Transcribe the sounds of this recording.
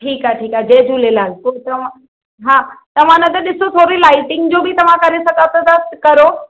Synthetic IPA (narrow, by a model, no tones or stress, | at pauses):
ʈʰiːkaːʈʰiːkaːd͡ʑɐːd͡ʑuːlelaːɡpot̪ɐʋ̤ã | ɦãːt̪ɐʋ̤ãnɐ̃t̪ɐɗɪsot̪ʰoːɾilaːɪʈɪ̃ŋɡd͡ʑoːbʱɪt̪ɐʋ̤ãkɐɾesɐɡat̪ɐd̪ɐst̪kɐɾoː